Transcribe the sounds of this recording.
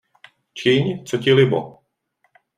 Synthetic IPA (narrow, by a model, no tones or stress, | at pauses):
t͡ʃɪɲt͡socɪlɪbo̰